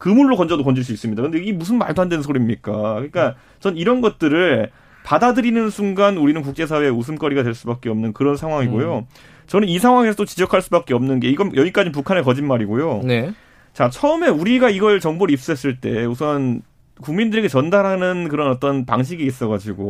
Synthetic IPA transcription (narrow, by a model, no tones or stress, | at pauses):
kɯmuɭːokʌnd͡ʑʌdokʌnd͡ʑiɭs͈uis͈ɯmɲidakɯndeɡimus̬ʰɯnmaɭdoɦandwensʰoɾimɲik͈akɯɲik͈a | t͡ɕʌniɾʌnɡʌt̚t͈ɯɾɯɭ | padadɯɾinɯnsʰuŋɡanuɾinɯnkuk̚t͡ɕ͈e̞sʰawe̞eus̬ʰɯmk͈ʌɾiɡadwe̞ɭs͈ubak͈e̞ʌmnɯnkɯɾʌnsʰaŋɦwaŋiɡojo | t͡ɕʌnɯnisʰaŋwaŋe̞s̬ʰʌtot͡ɕid͡ʑʌkʰaɭs͈ubak͈e̞ʌmnɯnɡe̞iɡʌnjʌɡik͈ad͡ʑinp̬ukʰanekʌd͡ʑinmaɾiɡojone | t͡ɕat͡ɕʰʌɯme̞uɾiɡaiɡʌɭt͡ɕʌŋboɾiːp̚s͈uɦes͈ɯɭt͈e̞usʰʌn | kuŋmindɯɾe̞ɡe̞t͡ɕʌndaɾɦanɯnkɯɾʌnʌt͈ʌnpa̰ŋɕ̬ʰiɡiːs͈ʌɣad͡ʑiɡo̰